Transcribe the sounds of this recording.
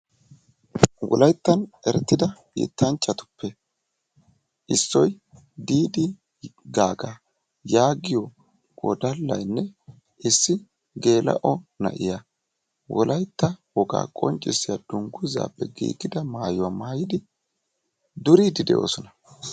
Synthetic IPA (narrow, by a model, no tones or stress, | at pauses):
wʔɔ̰lɐjt̪ːɐnɛɾɛt̪ːɪd̪ɐ | ɪ̰t̪ʰːɐnt͡ʃʼːɐt̪ʊ̥pʰːɛ | ʔɪsːɔj | d̪iːd̪ɪ | ɡaːɡa | jaːɡɪjɔ | ɔ̰d̪ɐlːɐ̰jnːɛ | ʔɪsːɪ | ɡe̞ːlɐ̰ʔɔnɐ̰ʔɪja | wɔlɐjt̪ːɐwɔɡa̰ːkʼɔ̰nt͡ʃʼːɪsːɪjad̪̥ʊŋɡʊza̰ːpːɛɡḭːɡɪd̪ɐmaːjʊwamaːjɪd̪ɪ | d̪ʊɾiːd̪ɪd̪ɛ̰ʔo̰ːsɔnɐ